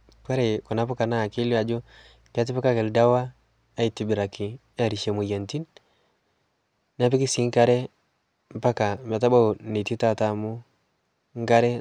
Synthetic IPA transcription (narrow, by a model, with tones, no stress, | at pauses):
ka˦ɾe˨ku˨na˨˦pʊ˦ka˨na˦˨ki˦la˨d͡ʒo˦ | ka˦t̬ɪ˦pa˦ka˦kɛ˨lda˦waː˦ | i˨ti˨bi˨ɾa˨kɪ˨˦ | a˦˨ɾi˨ʃe˨mu˨ja˨nti˦n | n˦a˦p̬i˦ki˦si˨˦ŋ˦ka˦ɾɛ˦ | m˦pa˦ka˨ma˨t̬a˦ba˦˨ni˨ti˦ta˦˨ta˦mu˦ | ŋ˦ka˦ɾɛ˦